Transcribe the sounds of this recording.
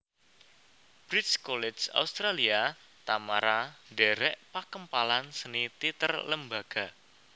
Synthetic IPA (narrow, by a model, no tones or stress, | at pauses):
b̥ɾit̪skolɛd͡ʒa̰ust̪ɾalia | t̪amaɾaɖɛɾɛʔpakəmpalansənit̪it̪ərləmbaɡ̥a̤